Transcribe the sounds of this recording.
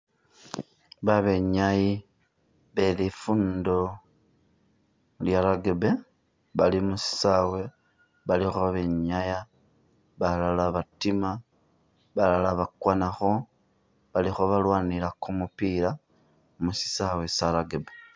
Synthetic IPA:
βaβe̞ɲaji | βe̞lifundo̞ | ljaɾaɡebe̞ | βalimusi̥sawe̞ | βalixoβe̞ɲaja | βalalaβatima | βalalaβakwanaxo̞ | βalixoβalwaːnilakumupiɾa | musi̥sawe̞salaɡebe

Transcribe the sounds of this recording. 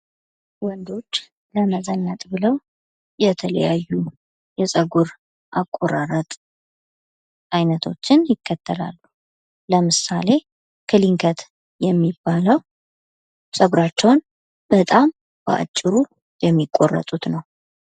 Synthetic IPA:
wɔnd̪o̞t͡ʃː | ləməzənːət̪ʼbɨləw | jɛt̪ʰələ̰jajːu | jɛsʼəɡuɾ | ʔakʼːoɾaɾət̪ʼ | ʔajnət̪ʰo̞̰t͡ʃːɪnjɪkːət̪ʰːəla̰lːu | ləmɨsale̞ | kʰɨliŋkʰət̪ | jɛmːibːaləw | sʼəɡuɾat͡ʃːɛwn | b̥ət̪ʼam | b̥ə̰ʔa̰t͡ʃʼːɪɾu | jɛmːikʼo̞rːə̰t̪ʼut̪nəw

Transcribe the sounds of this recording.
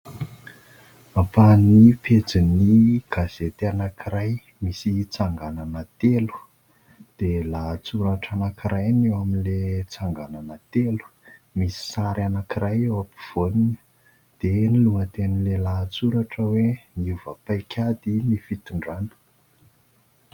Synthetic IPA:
afaniped͡ziniɡ̥az̥et̪anakiɾaj | misit͡saŋɡananat̪elu̥ | d̪̥elat͡suɾaʈ͡ʂanakiɾʔajnewaminlet͡saŋɡananat̪elu̥misi̥saɾanakiɾajewapi̥v̥onunə | d̪̥eniluŋət̪enilelat͡suɾaʈ͡ʂəweniuvəpajkʰʲad̪inifit̪uɳɖ͡ʐanu̥

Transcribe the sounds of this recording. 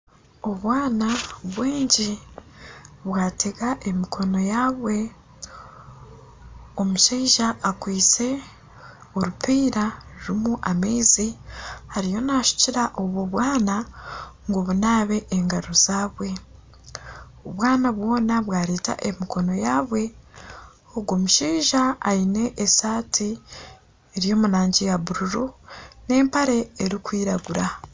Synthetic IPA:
o̞βwaːnaβwiːɲɟi | βwaːtʰe̞ɡaʔemikʰo̞no̞jaːβwe̞ | o̞muʃeʒaːkwiːt͡se̞ | oɾupiːɾaɾuɾimuʔamiːzihaɾijo̞naːʃu̥ciɾaʔoβoβwaːnaŋɡoβunaːβe̞ʔːŋɡaɾo̞z̥aːβwe̞ | oβwaːnaβwo̞ːnaβwaːɾeːta̰ʔemiko̞no̞jaːβwe̞ | oɡwomuʃiːʒaːine̞ʔːsaːti | eɾijo̞ːmuɾaːɲɟijaβuɾuɾune̞ːmpaɾe̞ːɾikwiːɾaɡuɾa

